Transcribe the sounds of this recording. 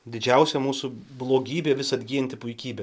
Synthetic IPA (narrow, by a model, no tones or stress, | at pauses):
d̪ʲɪd͡ʒʲɛʊsʲɛmuːsʊblˠoːɡʲiːbʲeːʋʲɪsɐd̪ʲɡʲiːjɛnʲt̪ʲɪpʊɪkʲiːbʲe